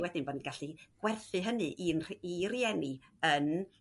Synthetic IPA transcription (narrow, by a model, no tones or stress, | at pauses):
wɛdɪnboːdnɡaɬiɡ̥wɛrθɨɦənɨʔiniriɛniən